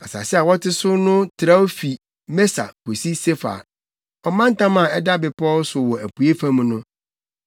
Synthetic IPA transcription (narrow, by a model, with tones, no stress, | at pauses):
a˨sa̰˨sɛ˦a˨wɔ˦tʰɪ˦sʊ˦nʊ̃˦tʰɾa˦wo˦fi˨ | mɛ˦sa̰˨kʰo˨si˦se˦fa̰˨ | ɔ˨mã˦n̩˦tʰã˦mã˨ɛ˦da˦bɪ˨pʰɔ˦lsʊ˨wɔ˨æ˨pu˨e˦fã˦mũ˨˦nʊ̃˦